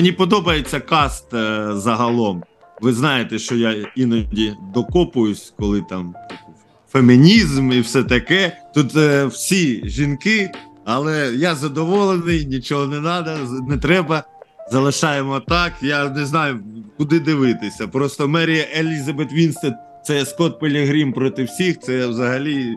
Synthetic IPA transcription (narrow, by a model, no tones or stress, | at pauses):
menʲipɔd̪ɔbɐjet͡sʲːɐkɑst̪zɐɦɐlˠɔm | ʋɪznɑjet̪ɛʃt͡ʃɔjainɐdʲid̪ɔkɔpʊjʊsʲkɔlˠɪt̪ɑm | femʲinʲizmiwsɛt̪ɐkɛt̪ut̪wsʲiʒʲinkɪ | ɐlˠɛjazɐd̪ɔʋɔlˠenɪjnʲit͡ʃɔɦɔnɛnɑd̪ɐnɛt̪ɾɛbɐzɐlˠɪʃɑjemɔt̪ɑkjanɛznɑjʊkʊd̪ɪd̪ɪʋɪt̪ɪsʲɐpɾɔst̪ɔmɛɾʲijɐʔelʲizɐbet̪ʋʲinst̪ɐ | t̪sɛɐskɔt̪̚pɪlʲɐɦɾʲimpɾɔt̪ɪwsʲixt̪sɛwzɐɦɐlʲi